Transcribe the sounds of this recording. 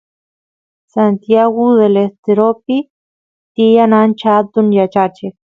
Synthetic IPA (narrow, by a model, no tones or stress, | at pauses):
sant̪jaɣʊðelest̪eɾopi | t̪ijanant͡ʃaat̪unjat͡ʃat͡ʃek